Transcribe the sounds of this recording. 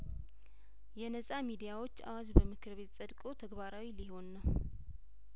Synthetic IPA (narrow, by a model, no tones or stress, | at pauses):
jɛnəsʼamid̪ijawo̞t͡ʃːa̰wazbəmɨkʰɨɾβe̞t̪sʼəd̪kʼo̞t̪ʰəɡβaɾawiliho̞nːəw